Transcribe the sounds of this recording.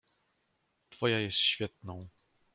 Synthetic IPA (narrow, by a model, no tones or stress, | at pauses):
t̪fɔjajɛst̪ɕfʲjɛt̪̚nɔ̃w̃